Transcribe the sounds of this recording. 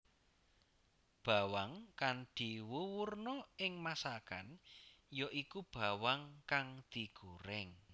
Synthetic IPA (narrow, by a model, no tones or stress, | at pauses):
b̥a̤waŋkand̪̥iwuwurnɔɪŋmasaka̰njɔʔikub̥a̤waŋkaŋd̪̥i̤ɡ̥uɾɛŋ